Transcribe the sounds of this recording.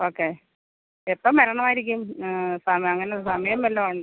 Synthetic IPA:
o̞ːkːe̞ː | epːɐmːɐɾɐɳɐmaːjiɾik̬ʲːumsɐmɐŋːɐnesɐmɐjɐmːelːɐʋaːɳɖɨ

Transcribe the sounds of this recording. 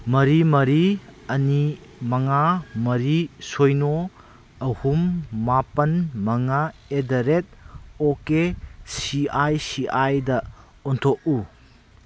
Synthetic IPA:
mɐɾimɐɾiɐnimɐŋamɐɾisojno | ɐhumːapɐnmɐŋaedɐɾet̚okesiajsiajdɐ | ɔntʰoʔ̚u

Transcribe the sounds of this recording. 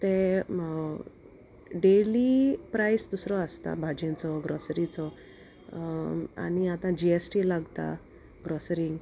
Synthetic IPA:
t̪ẽ | ɖelipɾajsd̪usɾɔast̪a̰bʱad͡ʑĩnt͡sɔɡɾɔsɾit͡sɔ | a̰ñiat̪ãd͡ʑiesʈilaɡt̪a̰ | ɡɾɔsɾiŋɡ

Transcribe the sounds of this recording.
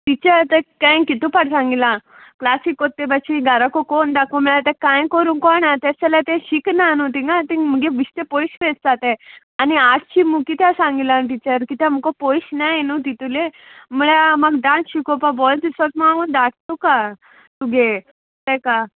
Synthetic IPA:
ʈit͡ɕəɾt̪ekãjkit̪upaʈsãŋɡilã | klasikot̪ːebat͡ɕiɡʱəɾakokond̪akom̤əɭat̪ekãjkəɾũːnkɔnat̪esɛlat̪ẽɕiknanut̪ĩŋɡat̪im̤əɡeʋiɕt̪epoiɕfed͡zd͡z̪at̪e | aniaɾt͡ɕimukit̪jasãŋɡilãʈ̬it͡ɕəɾkit̪jam̤ukopojɕnajnut̪it̪ule | məɭaməɡɖãnsɕikopabɔld̪isɔt̪maaund̪aʈt̪uka | t̪uɡe | t̪eka

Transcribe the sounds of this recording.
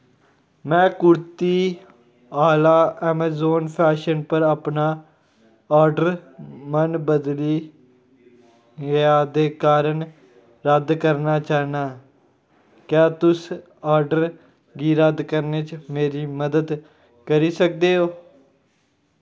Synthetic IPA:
mɛ̃ːkʊɾt̪iː | aːlaːɛːmaːzoːnpʰɛːʃənpəɾaːpnaː | aːɾɖəɾmənbəd̪liː | ɡəaːd̪eːkaːɾəɳ | ɾəd̪kəɾnaːt͡ʃaːnaː | kjaːt̪ʊs | aːɾɖəɾ | ɡiːɾəd̪kəɾneːt͡ʃmeːɾiːməd̪əd̪ | kəɾiːsək̚d̪eːɦoː

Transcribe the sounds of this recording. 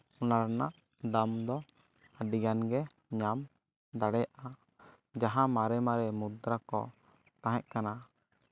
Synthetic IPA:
ɔnaɾanaʔ | d̪amd̪ɔ | aɖiɡanɡɛ | ɲam | d̪aɽɛjʔa | d͡ʒaɦãmaɾɛmaɾɛmud̪ɾakɔ̰ | t̪ãɦɛʔ̚kana

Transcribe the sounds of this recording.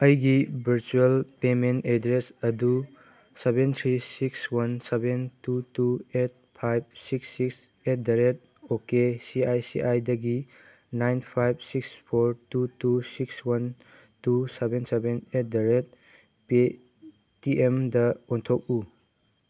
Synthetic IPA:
ɐjɡibʱiɾt͡ʃuelpementedɾesɐdu | sebent̪ʰɾisikswɐnsebentutuet̚pʰajb̚siksiks | et̚deɾet̚ | okesiajsiʔajdɐɡi | najnpʰajb̚sikspʰoɾtutusikswɐn | tusebensebenet̚deɾet̚ | pe | tiʔemdɐontʰok̚u

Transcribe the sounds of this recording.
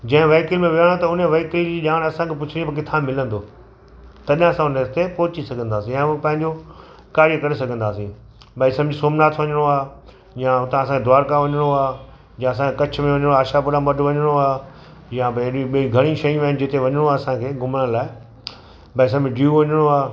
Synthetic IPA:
d͡ʑɐ̃ɦɪ̃ʋeːkɪlmẽʋɪaɽ̃ot̪ɐʊneʋeːklid͡ʑiːʄaːɽ̃ɐsãkʰepʊt͡ɕʰɪɽĩpɐk̬ɪt̪ʰãmɪlə̃nd̪oː | t̪ɐʄãɐsãʊnet̪epɔːɦʊt͡ɕisɐɡʱə̃nd̪aːsĩjãpɐ̃ɦɪ̃ɲd͡ʑo | kaːɾijkɐɾesɐɡʱə̃nd̪aːsĩ | bɐisɐmd͡ʑisoːmnaːt̪ʰʋɐɲəɽ̃oaː | jãʊt̪ãɐs̬ãŋkʰed̪ʊaːɾkaʋɐɲəɽ̃oaː | jãɐsãkʰekɐt͡ɕʰmẽʋɐɲɽ̃oaːʃapʊɽãmbɐɖʋɐɲəɽ̃oaː | jãbɗĩɓiiɡʱɐɽ̃ĩʃɐjũaːɪnɪ̆d͡ʑɪt̪eʋɐɲəɽ̃oaːsãkʰeːɡʱʊməɽ̃ə̃laːɪ | bɐis̬ɐb̃ɖjuːʋɐɲəɽ̃oaː

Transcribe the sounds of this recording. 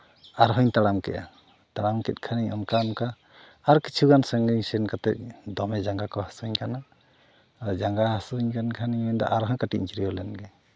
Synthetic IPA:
aɾɦɔɲt̪aɽamkɛ̰ʔa̰ | t̪aɽamkɛt̪̚kʰaniɔ̰mkaɔmkaː | ɾkit͡ʃʰuɡansəŋɡiɲsɛnkat̪ɛt̪̚d̪ɔmɛd͡ʒaŋɡakɔhasuɲkana | d͡ʒaŋɡahasuɲkankʰaniɔnd̪a̰ʔaɾɦɔɲkaʈḭɲd͡ʒiɾiɔlɛnɡɛ

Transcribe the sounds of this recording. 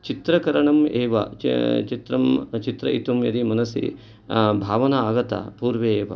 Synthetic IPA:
t͡ʃit̪ɾɐkɐɾɐɳɐmeːʋɐ̰t͡ʃit̪ɾɐmt͡ʃit̪ɾɐ̰ʔit̪umjɐ̰ɾimɐnɐsḭ | bʱaːʋɐnɐaːɡɐt̪ɐ̰puːɾʋeːʋɐ̰

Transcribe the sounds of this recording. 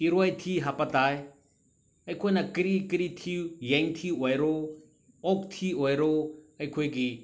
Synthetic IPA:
iɾojt̪ʰiːɦapɐt̪aːj | ɐjkʰojnakɾikɾit̪ʰijɐŋt̪ʰiɔjɾo | ok̚t̪ʰiojɾoɐjkʰojki

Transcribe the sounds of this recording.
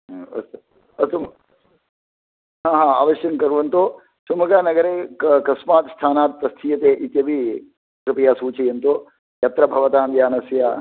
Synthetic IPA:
ɐ̰st̪ | ɐst̪um | ɦaːɦãːa̰ːʋɐʃjɐŋkɐɾuʋɐnt̪oː | sumɐɡaːnɐɡɐɾeːkɐsmaːt̪st̪ʰaːnaːt̪̚pɾɐst̪ʰijɐt̪eːʔit̪jɐʋi | kɾupijaːsuːt͡ʃijɐnt̪oː | jɐt̪ɾɐbʱɐʋɐt̪aːnd̪jaːnɐsjaː

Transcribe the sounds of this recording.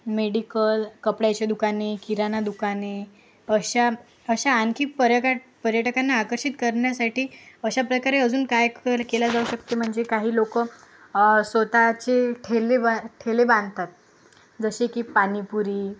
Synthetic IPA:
meɽikəlkəpɽjat͡ɕed̪ukanekiɾanad̪ukane | əɕa | əɕaːnkʰiːpəɾjəkapəɾjəʈəkanːaːkəɾɕit̪kəɾɳjasaʈiːəɕapɾəkaɾeəd͡zuːnkajkkelad͡zauɕəkt̪em̤əɳd͡zekaɦiːlokə | sʋət̪at͡ɕeʈʰeleaʈʰelebãnd̪t̪at̪̚ | d͡zəɕekiːpanipuɾiː

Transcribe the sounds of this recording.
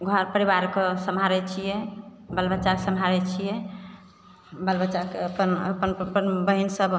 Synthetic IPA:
ɡʱɔɾpəɾibaɾkesəmɦaɾɛt͡ʃʰijɛbəlbətːt͡ʃakesəmɦaɾɛt͡ʃʰijɛ | bəlbət͡ʃakeəpənə̰pənpənbəɦinsəb

